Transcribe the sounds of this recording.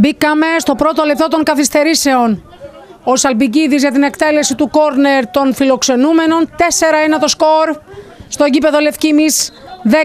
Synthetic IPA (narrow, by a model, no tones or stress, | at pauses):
bikɐme̞st̪o̞pɾo̞t̪o̞lep̚t̪o̞t̪o̞ŋkɐθist̪e̞ɾise̞o̞n | osɐlbiɟiðizʝɐt̪ine̞kt̪e̞le̞sit̪uko̞ɾne̞ɾt̪o̞nfilo̞kse̞nume̞no̞nt̪e̞se̞ɾɐenɐt̪o̞sko̞ɾst̪o̞ʝipe̞ðo̞le̞fcimisðe